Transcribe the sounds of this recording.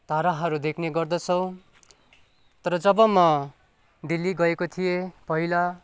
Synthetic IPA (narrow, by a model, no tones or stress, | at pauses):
t̪aɾaɦʌɾud̪ekʰneɡʌrd̪ʌt͡sʰʌw̃ | t̪ʌɾʌd͡zʌbʌmʌ | ɖilːiɡʌekot̪ʰijepʌɦila